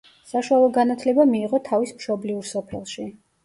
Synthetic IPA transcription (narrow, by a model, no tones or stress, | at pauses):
saʃualˠɔɡanat̪ʰlɛbamiːʁɔt̪ʰavismʃɔbliuɾsɔpʰɛ̰lˠʃi